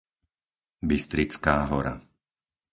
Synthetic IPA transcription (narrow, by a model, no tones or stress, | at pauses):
bist̪ɾit͡skaːɦɔɾa̰